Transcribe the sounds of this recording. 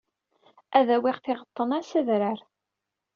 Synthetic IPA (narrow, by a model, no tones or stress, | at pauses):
æðæwɪʁθɪʁət̪ˤːənæsəðɾəɾ